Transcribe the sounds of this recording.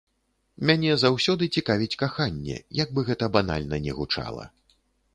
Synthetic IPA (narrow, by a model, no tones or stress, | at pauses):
mʲanʲɛzawsʲɔd̪ɨt͡sʲikavʲit͡sʲkaxanʲːɛ̰jaɡ̚bɨɣɛt̪ɐbana̰lʲnɐnʲɛɣut͡ʂa̰lˠɐ̰